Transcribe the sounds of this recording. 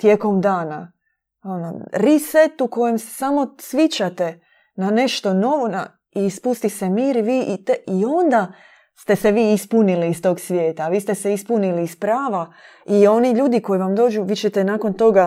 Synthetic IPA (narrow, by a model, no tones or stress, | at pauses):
t̪jeko̞md̪aːna̰ | o̞no̰ɾiset̪uko̞jemse̥samo̞sʋjit͡ɕat̪e̞ | nane̞ʃt̪o̞no̞ʋona̰ | ispust̪isemiːɾiʋiːʔit̪eio̞nd̪a | st̪e̞seʋiːispuniliːst̪o̞ːɡsʋʲje̞ːt̪aʋiːst̪eseispuniliːspɾaːʋa | io̞niʎuːd̪iko̞jiʋamd̪o̞ːd͡ʒuʋiːt͡ɕet̪enaːko̞nt̪o̞ɡa